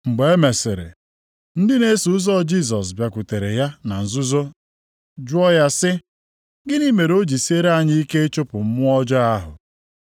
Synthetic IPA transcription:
ŋ͡m̩˨ɡ͡be˨e˦me˨sɪ˨ɾḛ˨ | n̩˦dɪ˦ne˦su˨˦zɔ˦˨d͡ʒi˦˨s̬ɔ˨s̬bja˨kʷʊ˨te˨ɾe˨ja˦na˨n̩˨zʊ˦zo˦ | d͡ʒʊ˦ɔ˦ja˦sɪ˦ | ɡɪ˦ni˦me˨ɾo˦d͡ʒi˨se˦ɾa˦˨ɲɪ˦i˦ke˦e˦t͡ʃo˦pʊ˨m̩˦mʊ˦ɔ˦d͡ʒa˦a˦ɦʊ̰˨

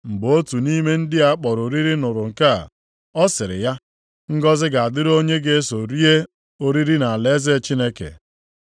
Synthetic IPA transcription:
m̩˨bo˦tu˨ni˦me˦n̩˦dɪ˦a˦k͡pɔ˨ɾo˨ɾi˦ɾi˦nʊ˨ɾʊ˨ŋ̩˨ka˦˨ | ɔ˦sɪ˨ɾɪ̰˨ja˦ | ŋ̩˦ɡɔ˦zɪ˦ɡa˨a˨dɪ˦ɾo˦ɲe˦ɡe˦e˦so˨ɾi˦e˦ | o˦ɾi˦ɾi˦na˨a˨le˦ze˦t͡ʃi˦ne˦kḛ˨

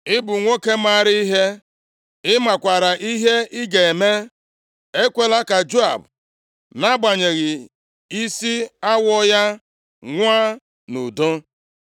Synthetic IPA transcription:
ɪ˦bʊ˨ŋʷo˦ke˦ma˦˨ɾɪ˦i˦ɦe˦ | ɪ˦ma˨kʷa˨ɾa˨ʔi˦ɦe˦ɪ˦ɡe˨me˦ | e˦kʷe˨la˦ka˨d͡ʒo˦a̰˨b | na˦ɡ͡ba˨ɲe˨ɣɪ˨ | i˦si˦a˦wɔ˦ja˦ | ŋʷa˦ | nu˨do˦

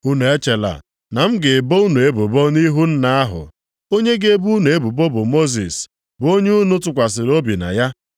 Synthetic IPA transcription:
u˦nu˨e˦t͡ʃe˨la̰˨ | na˨m̩˦ɡɪ˨bo˦u˦nu˨e˦bʊ˨bɔ˦ni˦ɦu˦n̩˦na˦a˦ɦʊ̰˨ | o˦ɲe˦ɡe˦bu˦nu˨e˦bʊ˨bo˦bʊ˨mo˦z̬i˨s | bo˦ɲe˦u˦nʊ˦t̬ʊ˨kʷa˨s̬ɪ˨ɾo˦bi˨na̰˨ja˦

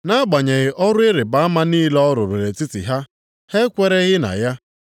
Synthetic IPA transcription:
na˦a˦ɡ͡ba˨ɲe˨ɣɪ˨ʔɔ˦ɾʊ˦ɪ˦ɾɪ˨ba˨a˦ma˦niː˦lɔ˦ɾʊ˨ɾe˨ɾe˨tɪ˦tḭ˨ɦa˦ | he˦kʷe˦ɾe˦ɣɪ˦na̰˨ja˦

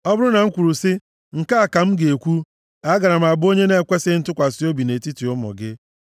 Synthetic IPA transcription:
ɔ˦bʊ˦ɾʊ˦na˨ŋ̩˦kʷu˨ɾu˨sɪ˦ | ŋ̩˨ka˦a˨ka˨m̩˦ɡe˨kʷu˦ | a˦ɡa˨ɾa˨m̩˨a˨bo˦ɲe˦ne˦˨kʷe˦sɪ˦n̩˦tʊ˦kʷa˨si˦o˦bi˨ne˨ti˦ti˨ʊ˦mɔ̰˨ɡɪ˦

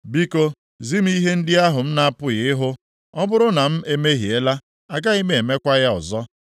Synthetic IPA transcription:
bi˦ko˦ | zi˦m̩˦i˦ɦe˦n̩˦dɪ˦a˦ɦʊ˨m̩˦na˦a˦pʊ˦ɣɪ˨ɪ˦ɦʊ˦ | ɔ˦bʊ˦ɾʊ˦na˨m̩˦e˦me˦ɦi˨e˦la˦ | a˨ɡa˦i˦me˦e˨me˦kʷa˦ɣa˦ʊ̰˨zɔ˦

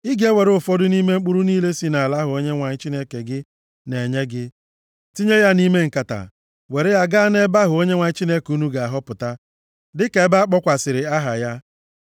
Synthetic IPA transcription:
i˦ɡe˦we˨ɾʊ˦˨fɔ˦dʊ˦ni˦me˦ŋ͡m̩˦k͡pu˦ɾu˦niː˦le˦si˦na˨la˦ɦʊ˨o˦ɲe˦ŋʷa˨ɲɪ˦t͡ʃi˦ne˦ke˨ɡɪ˦ | ne˨ɲe˦ɡɪ˦ | ti˦ɲe˦ja˦ni˦me˦ŋ̩˨ka˨ta̰˨ | we˨ɾe˦ja˦ɡa˦ne˦ba˦ɦʊ˨o˦ɲe˦ŋʷa˨ɲɪ˦t͡ʃi˦ne˦ku˦nu˦ɡa˨a˨ɦɔ˦pʊ˨ta˦ | dɪ˦ke˨˦ba˦a˦k͡pɔ˦kʷa˨sɪ˨ɾɪ˨a˦ɦa̰˨ja˦

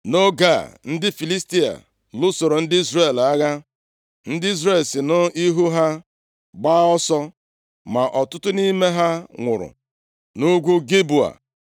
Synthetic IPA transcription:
no˦ɡa˦˨n̩˦dɪ˦fi˨li˦sti˦a̰˨ | lʊ˦so˨ɾo˨n̩˦dɪ˦i˦zre˦˨la˦ɣa˦ | n̩˦dɪ˦i˦zɾe˨lsɪ˨no˦i˦ɦu˦ɦa˦ | ɡ͡baː˦ɔ˦sɔ˦ | ma˨ʔɔ˨tʊ˦tʊ˦ni˦me˦ɦa˦ŋʷʊ̰˨ɾʊ̰˨ | nu˦ɡʷu˦ɡi˦bu˨a̰˨

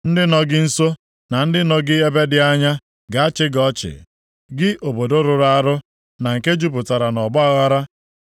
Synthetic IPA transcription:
n̩˦dɪ˦nɔ˦ɡɪ˦n̩˦so˦ | na˨n̩˦dɪ˦nɔ˦ɡɪ˦e˦be˦dɪ˦a˦ɲa˦ | ɡa˨a˦t͡ʃɪ˦ɡɔ˦t͡ʃɪ̰˨ | ɡɪ˦ʔo˨bo˨do˦ɾʊ˨ɾa˦a˦ɾʊ˦ | na˨ŋ̩˨ke˦d͡ʒu˦p̬ʊ˨ta˨ɾa˨nɔ˨bɔ˦a˦ɣa˦ɾa˦

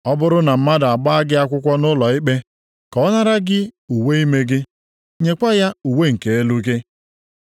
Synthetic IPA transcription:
ɔ˦bʊ˦ɾʊ˦na˨m̩˦ma˦da˨a˨ɡ͡ba˦a˦ɡɪ˦a˦kʷʊ˦kʷɔ˦nʊ˦lɔ˨ɪ˦k͡pe˦ | kɔ˨ɔ˦na˦ɾa˦ɡɪ˦u˨we˦i˦me˦ɡɪ˦ | ɲe˨kʷa˦ja˦u˨we˦˨ŋ̩˨ke˨e˦lu˦ke˦

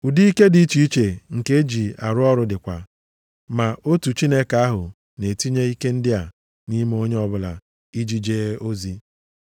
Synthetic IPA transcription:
u˨di˦i˦ke˦di˨i˦t͡ʃi˨i˦t͡ʃe˨ŋ̩˨ke˦e˦d͡ʒi˨a˨ɾʊ˦ɔ˦ɾʊ˦dɪ˨kʷa˨ | ma˨o˦tu˨t͡ʃi˦ne˦ka˨˦a˦ɦʊ˨ | ne˨ti˦ɲe˦i˦ke˦n̩˦dɪ˦a˨ | ni˦m˦o˦ɲe˦ɔ˦bʊ˨la̰˨ | i˦d͡ʒi˨d͡ʒeː˦o˦zi˦

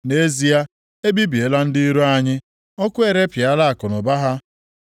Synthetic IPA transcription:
ne˦zi˦a˦ | e˦bi˦bi˨e˨la˦n̩˦di˦i˦ɾu˦a˦ɲɪ˦ | ɔ˦kʷʊ˦e˨ɾe˦pja˦la˦a˨kʊ˨nʊ˨ba˦ɦa˦

